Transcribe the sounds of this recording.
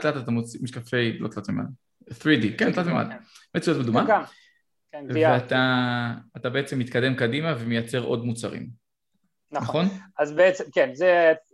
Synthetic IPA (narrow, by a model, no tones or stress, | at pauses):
t̪latat̪amot͡simiʃkafe̞jlotlat̪mema̰l | θʁidikent̪latmema̰lmet͡sujot̚bed̪uma | kveataː | tabe̞et͡se̞mːit̪kade̞mkadimavemejat͡se̞ʁʔo̞̰dmut͡sa̰ʁḭm | nnaχo̞nazbeet͡semkenze